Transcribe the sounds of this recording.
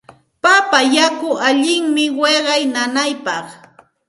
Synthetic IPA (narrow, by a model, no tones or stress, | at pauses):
papajakʊʔaʎɪŋmɪweɢɑjnanajpɑχ